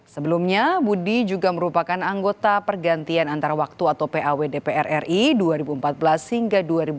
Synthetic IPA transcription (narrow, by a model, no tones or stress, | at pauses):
səbəlumɲabudid͡ʒuɡaməɾupakanaŋɡot̪apərɡant̪ianant̪aɾawak̚t̪uat̪awpeʔawedepeɛrʔɛrʔiduaɾibuəmpat̪̚bəlashiŋɡaduaɾibu